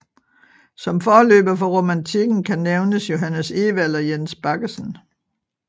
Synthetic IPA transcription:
sɒ̽mfɒːlø̰ːb̥ɐfɒ̽ʁo̝mænt͡sʰiɡ̥n̩kʰæneʊnəsjo̝ɦænəseːʋælɐjensb̥ɑ̈ɡ̥əsn

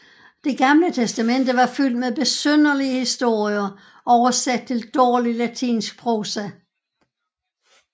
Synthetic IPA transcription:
d̥e̝ɡ̥ɑ̈mlət͡sʰesd̥æmen̰d̥əʋɑ̈fyl̰d̥̚meðˠb̥e̝søn̰ɐliəhisd̥o̝ɐ̰iɐ | ʔɒʊɐsæd̥̚t͡sʰe̝ld̥ɒːlilæt͡sʰḭːnsɡ̥̚pʰʁo̝ːsæ

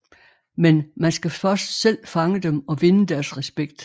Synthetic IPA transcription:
menmænsɡ̥æfɶsd̥sel̰fɑ̈ŋəd̥emɒ̽ʋe̝nəd̥æɐsʁɛsb̥eɡ̥d̥

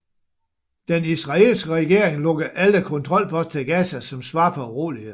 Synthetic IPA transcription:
d̥enisʁɑ̈e̝lsɡ̥əʁɛɡ̥e̝ɐ̰eŋlɔ̽ɡ̥ɐʔæləkʰɔ̽nt͡sʰʁɒ̽l̰pʰɒ̽st͡sʰeɡ̥æsæsɒ̽msʋɑ̈ːpʰɒ̽ʁo̰ːli

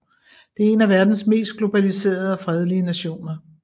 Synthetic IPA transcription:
d̥e̝ɐe̝næʋæɐd̥n̩sme̝̰ːsd̥̚ɡ̥lo̝b̥ælise̝̰ːɐð̞ˠɒ̽fʁɛð̞ˠliənæɕo̝̰ːnɐ

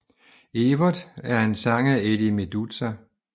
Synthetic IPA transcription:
eʋɐðˠæɐe̝nsɑ̈ŋæed̥imed̥ut͡sʰæ

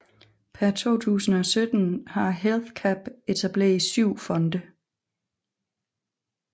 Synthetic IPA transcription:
pʰæɐt͡sʰo̝̰ːt͡sʰṵːsn̩ɒ̽sød̥n̩hɑ̈ɦelθkʰæb̥e̝t͡sʰæb̥le̝̰ɐisyʊ̰fɒ̽nd̥ə

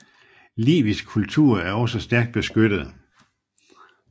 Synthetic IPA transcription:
lḭːʋisɡ̥̚kʰult͡sʰuɐ̰æɐɒ̽səsd̥æɐɡ̥̚d̥̚b̥e̝sɡ̥ød̥ð̞̩ˠ

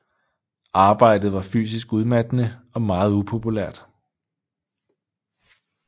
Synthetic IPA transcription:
ʔɑ̈ːb̥ɑ̈ɪ̰d̥ð̞̩ˠʋɑ̈fy̰ːs̬isɡ̥uðˠmæd̥ənəɒ̽mɑ̈ːð̞̩ˠupʰo̝pʰulæɐ̰d̥

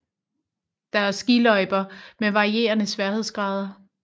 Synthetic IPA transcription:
d̥ɑ̈æɐsɡ̥ilɒ̽ɪb̥ɐmeʋɑ̈ʁie̝̰ːɐnəsʋæɐhe̝ð̞̰ˠsɡ̥ʁɑ̈ːð̞ˠɐ

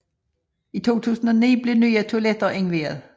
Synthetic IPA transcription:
it͡sʰo̝̰ːt͡sʰṵːsn̩ɒ̽nḭːb̥le̝ny̰ːɐt͡sʰoæled̥ɐʔeŋʋe̝̰ːɐð̩ˠ

